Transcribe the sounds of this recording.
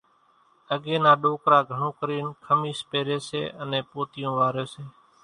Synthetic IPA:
əɡeːnãːɗoːkɾaːɡʱəɳõːkəɾiːnkʰəmiːspeːɾeːsḛːənẽːpoːt̪ɪjõːʋaːɾeːseː

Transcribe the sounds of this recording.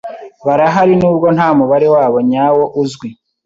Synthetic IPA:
βaɾaɦaɾinuːbɡo̞n̥haːmuβaɾe̞waːβo̞ɲaːwo̞ʔuzɡwi

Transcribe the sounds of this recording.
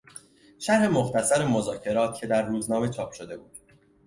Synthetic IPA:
ʃæɾɾe̞moxt̪æsæɾemo̞zɒːcʰe̞ɾɒːt̪̚cʰe̞d̪æɾːuːznɒːme̞t͡ʃʰɒːpʰʃo̞d̪e̞buːd̪̥

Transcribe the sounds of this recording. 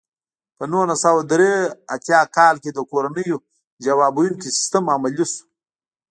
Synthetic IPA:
pənonasawad̪ɾeat̪jɑkɑːlked̪əkoɾanəjo | d͡ʒawaːbujunkisɪ̥st̪əmamalisu̥

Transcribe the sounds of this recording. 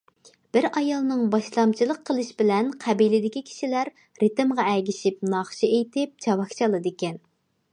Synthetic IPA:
b̥ɪɾɑjɑlˠnɨŋbɑʃlˠɑmt͡ʃʰilˠəqʰːəlˠɨʃbɪlɛnqʰæbilɪd̪ɪkʲikʲʰi̥ʃilæɾ | ɾɨt̪mʁɑɛɡʲiʃip̚nɑχʃiejt̪ɪp̚t͡ʃʰɑwɑkt͡ʃʰɑlˠɨd̪ɪkʲɛn

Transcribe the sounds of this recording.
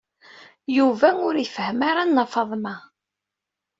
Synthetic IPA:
juvæʊɾifəhmaɾanːɑfɑðˤmæ

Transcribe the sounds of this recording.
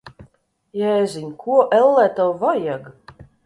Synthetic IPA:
jaɛzinʲkʰuɔʔɛlːɛt̪awvajaɡ

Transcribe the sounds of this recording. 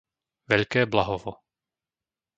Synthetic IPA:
ʋɛʎkɛːblaɦɔʋɔ

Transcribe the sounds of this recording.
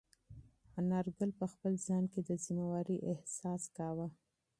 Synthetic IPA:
anɑɾɡəlpəxpəlzɑnked̪əzimawaɾiʔɪhsɑskɑwa

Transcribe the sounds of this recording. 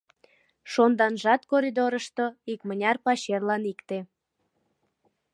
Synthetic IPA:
ʃond̪ɑnʒɑt̪koɾʲid̪oɾəʃt̪o̽ikmənʲɑrpɑɕerlɑnikt̪e

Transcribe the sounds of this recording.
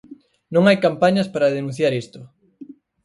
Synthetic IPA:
nõŋajkampaɲɐspaɾɐðenũ̟θjaɾist̪ʊ

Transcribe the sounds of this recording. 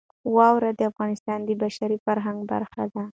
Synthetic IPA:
wɑwɾad̪əafɣɑnɪst̪ɑnd̪əbaʃaɾifaɾɦaŋɡba̰ɾxa̰d̪a

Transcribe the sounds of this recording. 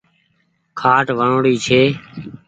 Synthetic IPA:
kʰaːʈʋəɳoːɽiːt͡ʃʰeː

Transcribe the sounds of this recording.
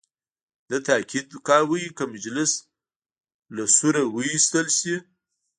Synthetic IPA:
d̪ət̪aːkʰid̪kɑːɾwəjikəmad͡ʒlɪs | lasuɾawəist̪əlʃi

